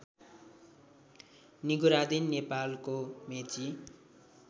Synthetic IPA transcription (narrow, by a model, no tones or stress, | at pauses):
niɡuɾad̪inːepalkomet͡si